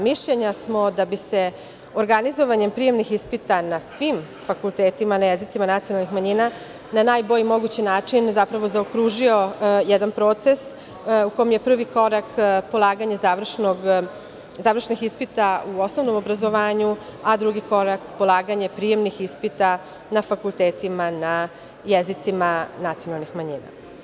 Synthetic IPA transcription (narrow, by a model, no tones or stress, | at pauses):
miʃʎeɲasmo̞d̪abise̞ | oɾɡanizo̞ʋaɲe̞mpɾije̞mnixispit̪anasʋim | fakult̪eːt̪imanajezit̪simanat̪sijonalnixmaɲina | nanaːjbo̞ʎimo̞ɡut͡ɕinaːt͡ʂinzapɾaʋo̞zaokɾuːʒio̞jɛd̪anpɾo̞ːt̪ses | uko̞jemje̞pr̩ʋiko̞ɾakpo̞lˠaːɡaɲazaʋr̩ʃnoɡ | zaʋɾr̩ʃnixispit̪auo̞snovno̞mo̞bɾazoʋaːɲuad̪ɾuɡiko̞ɾakpolˠaːɡaɲepɾije̞mnixispit̪a | nafakulˠt̪eːt̪imana | jezit̪simanat̪sijonalˠnixmaɲina̰